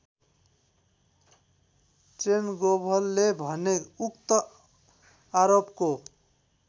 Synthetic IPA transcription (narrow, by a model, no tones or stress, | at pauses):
t͡ʃenɡobʱʌlːebʱʌnekukt̪ʌ | aɾopko